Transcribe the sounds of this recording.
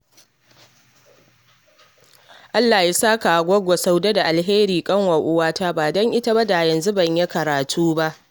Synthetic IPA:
ʔa˦lːaː˨ja˦saː˦ka˨ɡʷɔ˦ɡʷo˨sa˦wde˦da˨ʔa˨lɦeː˦ɾiː˨kʼɐ˦ŋwa˨ʔʊ˦waː˦taː˦baː˨dɔ˦ŋʔɪ˦ta˦ba˦da˨jɐ˨nzu˦bɐ˨ɲje˦kɐ˨ɾaː˨tʰuː˦ba˦ʔ

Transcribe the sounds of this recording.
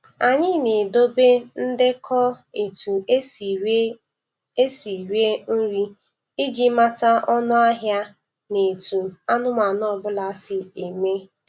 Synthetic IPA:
a˨ɲɪ˦ne˨do˦be˦n̩˦dɪ˦kʰɔ˦e˨tu˨e˦˨˦ | e˦si˨ɾje˦n̩˦ɾi˦ | e˦d͡ʒi˦ma˦ta˦ʔɔ˦nʊ˦a˦ɦja˦ | ne˨tu˨a˦nʊ˦ma˨nɔ˦˨bʊ˦la˨˦˨sɪ˨e˨me˦

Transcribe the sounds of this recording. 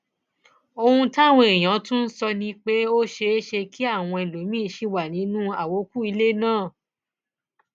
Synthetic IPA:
o˧hũ˧ta˦˨wɔ̃˧e˨j̃ã˨˦tũ˦n̩˦sɔ˧nĩ˧k͡pe˦o˦ʃe˧e˦ʃe˧kʰi˦a˦˨w̃ɔ̃˧e˨lo˨˦mĩ˦˨ʃi˦wa˦˨nĩ˨˦nũ˦a˦˨wo˨˦ku˦i˧le˦nãː˦˨

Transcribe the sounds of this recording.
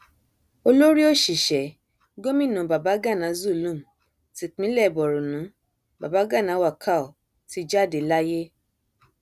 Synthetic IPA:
o˧lo˦ɾi˦o˦˨ʃi˨ʃɛ˨ | ɡo˦mĩ˦˨nũ˨ba˨ba˨˦ɡa˦˨nã˨˦zu˦˨lũ˦˨m˨ | ti˨˧k͡pĩ˦lɛ˦˨bɔ˨ɾu˨nũ˨˦ | ba˨ba˨˦ɡa˦˨nã˨˦wa˦˨kʰa˦˨o˨ | ti˧d͡ʒa˦˨de˨˦la˦je˦

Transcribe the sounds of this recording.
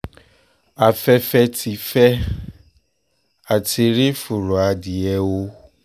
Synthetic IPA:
a˨fɛ˦fɛ˦tʰi˨fɛ˦ | a˨tʰɪ˨ɾɪ˦fʊ˨ɾo˨a˨dɪ˨ɛ˦wo˦

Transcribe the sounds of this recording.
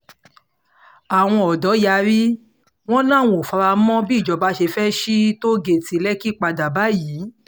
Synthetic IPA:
a˨w̃ɔ̃˧ɔ˨dɔ˨˦ja˧ɾi˦ | w̃ɔ̃˦nã˦˨w̃o˨fa˧ɾa˧˦mɔ̃˦bi˦˨d͡ʒɔ˨˧˦ba˦ʃe˧fɛ˦ʃi˦to˦ɡe˧˨ti˨˧lɛ˦ki˦˨k͡pa˧da˨ba˨˦jiː˨˦

